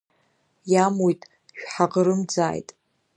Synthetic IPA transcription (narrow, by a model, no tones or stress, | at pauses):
jamojtʼ | ʃᶣħaqəɾɨmd͡zaːjtʼ